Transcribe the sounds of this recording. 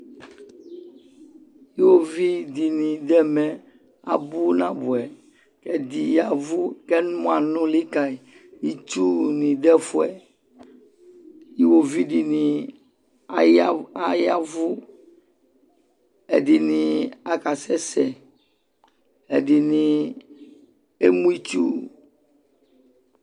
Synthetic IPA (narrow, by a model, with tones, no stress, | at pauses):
ji˦wo˦vi˦di˨nĩ˨d̪ɛ˦mɛ˨ | a̰˨bu˦nã˦bu˨ɛ˨ | kɛ˨d̪i˨ja˨vu˦kɛ˦nũ˦a˨nũ˦li˦ka˨i˨ji˦t͡ʃu˦nĩ˨d̪ɛ˦fu˦ɛ˨ | ji˦wo˨vi˦ɖi˨nĩ˨˦ | a˦ja˦vu˦ | ɛ˨di˨nĩ˨a˨ka˨sɛ˦sɛ˨ | e˨ɖi˨nĩ˨ | e˦mũ˦i˦t͡ʃu˦